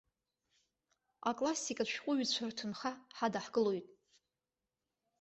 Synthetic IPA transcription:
akʼlasːikʼaʃᶣqʷʼʊɥt͡ɕʷʰartʰɨnχaħadaħɡ̥ɨlo̞jtʼ

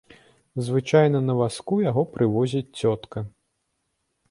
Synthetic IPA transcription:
zvɨt͡ʂajnɐnɐvaskujaɣɔpɾɨvɔzʲit͡sʲt͡sʲɔt̪kɐ

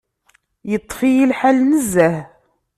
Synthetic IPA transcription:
jət̪ˤːfijilħalnəzːæh

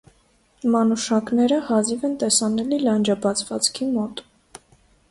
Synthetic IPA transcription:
mɑnuʃɑknɛɾəhɑzivɛnt̪ɛsɑnɛlilɑnd͡ʒɑbɑt͡sʰvɑt͡skʰimɔt̪

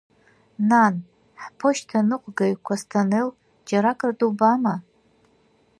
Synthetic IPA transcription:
nan | ħpʰoʃtʰanɨqʷʼɡaɥkʷʰastʰanel | d͡ʒaɾakʼrdubama

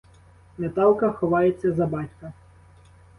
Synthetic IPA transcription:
met̪ɑlˠkɐxɔʋɑjet͡sʲːɐzɐbɑtʲkɐ

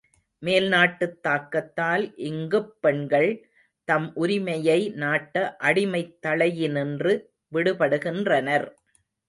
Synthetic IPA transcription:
meːlnaːʈːɯt̪ːaːkːɐt̪ːaːlʔɪŋɡɯpːɛɳɡɐɭ | t̪ɐmʔʊɾɪmɐjɐɪnaːʈːɐʔɐɽɪmɐɪt̪ːɐɭɐjɪnɪndrɯ | ʋɪɽɯpɐɽɯɣɪndrɐnɐɾ

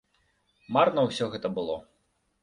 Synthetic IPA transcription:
marnɐwsʲɔɣɛt̪ɐbɨlˠɔ

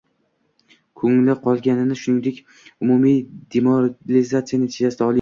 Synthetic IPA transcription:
kʰɵŋlɪqʰɒlˠɡʲanɪnɪʃʊnɪŋd̪e̞kʲ | ʊmumijd̪ʲemoɾlɪzat̪sijanɪt̪ʰeasɪd̪aɒlˠɪ

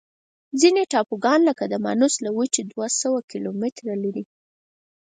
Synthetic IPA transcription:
zineʈɑpoɡɑnləkad̪əma̰nuslawət͡ʃed̪wasawakilomɪt̪ɾalaɾi

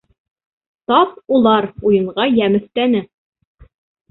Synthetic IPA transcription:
t̪ɑpulˠɑɾujɤ̆ɴʁɑjæmɘ̆θt̪ænɘ

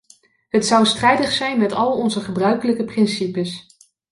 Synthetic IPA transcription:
ɦətsɑwstrɛjdəχsɛjnmɛtɑlˠɔnzəχəbrœɥkələkəprɪnsipəs

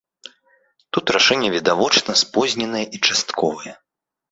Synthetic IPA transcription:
t̪ut̪ɾaʂɛnʲːɛvʲid̪avɔt͡ʂnɐspɔzʲnʲɛnɐjɛʔit͡ʂast̪kʰɔvɐjɛ

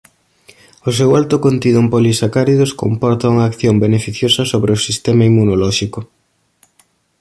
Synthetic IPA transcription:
ʊsewalt̪ʊkont̪iðompolisakaɾiðosko̰mpɔɾt̪ɐuŋɐːkθjombenefiθjosɐsoβɾeʊsist̪ɛmaimːunolɔʃikʊ

